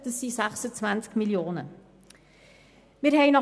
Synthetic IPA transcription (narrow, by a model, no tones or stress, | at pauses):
d̥əsisæχsət͡svænskmiljoːnə | miərɦɛɪnɔ